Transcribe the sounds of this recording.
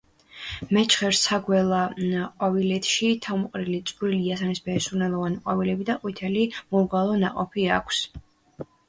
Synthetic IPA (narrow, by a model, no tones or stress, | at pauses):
mɛt͡ʃʰχɛɾsaɡwɛlˠaqʼɔvilɛt̪ʰʃit̪ʰamqʼɾilit̪sʼɾiliasanisbɛːsuɾnɛlˠɔvaniqʼɔvilɛbid̪aqʼwit̪ʰɛlimuɾɡalˠɔna̰qʼɔpʰiakʰs